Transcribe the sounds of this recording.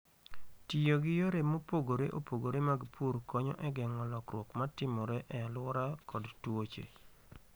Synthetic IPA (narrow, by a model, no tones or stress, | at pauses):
tijoɡɪjoɾemopoɡoɾḛʔo̰poɡoɾemaɡpʰuɾkɔɲɔ̰ʔɛɡɛŋɔlɔkɾwokmatɪmɔɾɛʔɛalwɔɾakʰɔdtwot͡ʃḛ